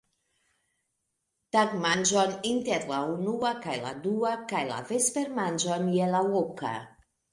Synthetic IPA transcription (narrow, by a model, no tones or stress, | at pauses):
t̪akmand͡ʒɔnint̪eɾlaunuakajla̰d̪uakajla̰vespeɾmand͡ʒɔnjelawoka̰